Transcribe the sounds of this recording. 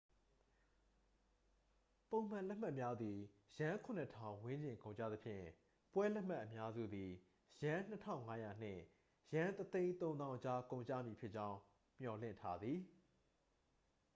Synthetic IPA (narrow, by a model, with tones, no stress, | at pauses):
põ˨ʊ̃m̥ã˨lɛ˦m̥a˦ʔmja˦d̪ði˨ | jã˦kʰʊ̃˨nə˦˨tʰã˨ʊ̃wɪ̃˦ɲd͡ʑɪ̃˨ŋkõ˨ʊ̃ɲt͡ɕä̰˦˨d̪ə˨pʰjɪ̰̃˦˨ | pwɛ˦lɛ˦m̥a˦˨ʔəmja˦zṵ˦˨d̪i˨ | jã˦n̥ə˦tʰã̰˦ʊ̃˨ŋa˦ja̰˨n̥ɪ̰̃˦˨ | jã˦t̪ət̪ẽ˦ɪ̃nt̪õ˦nã˦ʊ̃t͡ɕa˦kõ˨ʊ̃ɲt͡ɕä̰˦˨mji˨pʰjɪ˦ʔt͡ɕã˦ʊ̃ | m̥jɔ˨l̥ɪ̰̃˦˨ntʰa˦d̪ði˨